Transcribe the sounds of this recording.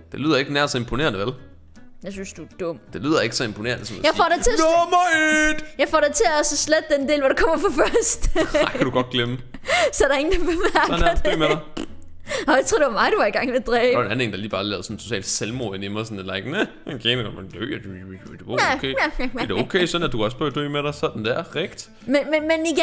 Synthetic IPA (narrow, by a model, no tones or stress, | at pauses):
d̥e̝lḭð̰ˠɐe̝ɡ̥ənæɐsɒ̽e̝mpʰo̝ne̝̰ːɐnəʋel | jasynsd̥ud̥ɔ̽m̰d̥e̝lḭðˠɐe̝ɡ̥əsɒ̽e̝mpʰone̝ːɐnəsɒ̽mjaɪfɒ̰ɾat͡sʰemɑd̥jɑ̈ɪfɒ̰ɾ̥ɑɪt͡sʰe̝ɒsəsled̥̚ːend̥e̝ːlʋɒɾekʰɒ̽m̰ɐfɒfɶɐsd̥ɪkæd̥uɡ̥ɒd̥̚ɡ̥lemə | sɒæɐɾɑeŋn̩d̥b̥emæɐɡɐd̥eme | ɒjat͡sʰoɐ̰deʋɑmɑ̈ɪd̥uʋɑiɡ̥ɑ̈ŋ̰ʋed̥ʁɛːenæn̩he̝ŋn̩dɑ̈liːb̥ɑ̈ːlɛːʊsɒ̽nt͡sʰo̝t͡sʰɛ̰ːld̥selmoɐenimɐsɔnelɑ̈ɪɡ̥ne | enkʰenɒmd̥ø̰ːæd̥u̥d̥eʋ̥okʰeæd̥eokʰeɪsɒd̥n̩æd̥ukʰɒ̽s̬b̥ød̥ø̰ːmeɾɑɪsɒd̥n̩d̥æɐ̰ʁɛɡ̥d̥ | menmenmeniɡ